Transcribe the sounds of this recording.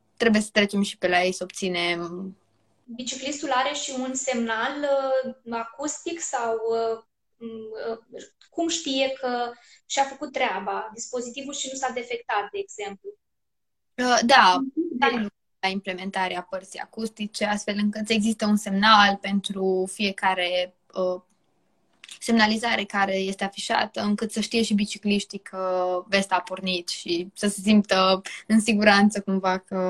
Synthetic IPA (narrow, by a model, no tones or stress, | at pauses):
t̪ɾe̞bujesə̥t̪ɾe̞t͡ʃe̞mʃi̥pe̞laje̞jsəob̚t̪sine̞m | bit͡ʃiklist̪ulaɾe̞ʃiunse̞mnaləakust̪iksawə | ə | kumʃt̪ije̞kʰəʃafəkut̪̚tːɾeabad̪ispo̞zit̪ivulʃinusad̪e̞fe̞kt̪at̪̚d̪e̞ːɡz̥e̞mplu | əd̪ad̪amlukulaimple̞me̞nt̪aɾeapərt̪sija̰kust̪it͡ʃe̞ast̪fe̞lɨŋkɨt̪e̞ɡzist̪əunse̞mnalpe̞nt̪ɾufije̞kaɾe̞ | ə | se̞mnalizaɾe̞kaɾe̞je̞st̪eafiʃa̰t̪əɨŋkɨt̪səʃt̪ije̞ʃibit͡ʃikliʃt̪ikʰəve̞st̪apornit̪ʃisəse̞s̬impt̪əɨnsiɡuɾant̪səkumvakə